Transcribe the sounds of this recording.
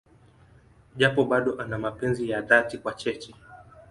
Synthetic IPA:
ʄapɔɓaɗɔʔanamapɛnzijaðatikwat͡ʃɛt͡ʃɛ

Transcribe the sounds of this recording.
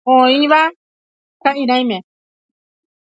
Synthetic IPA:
õĩʋa | kaʔĩɾ̃ãj̃mẽ

